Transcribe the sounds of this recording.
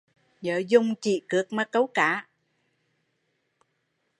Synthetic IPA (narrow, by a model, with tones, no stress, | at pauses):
ɲəː˧˨˦zʊ˧˩ŋ͡mt͡ɕḭ˧˨kɨ˨˥ək̚ma˨˦kə˨˦wkaː˧˦